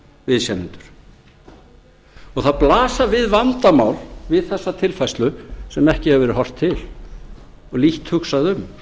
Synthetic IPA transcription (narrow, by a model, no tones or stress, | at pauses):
vɪðsjɛnʏnt̪ʏ̥ɾ̥ | ɔɣθaðplaːsavɪðvant̪amaːwlvɪðθɛsːat̪ʰɪlfajslʏsɛmɛhcɪhɛvɛɾɪɦɔr̥t̪ʰːɪl | ɔɣliht̪hʏxsaðʏm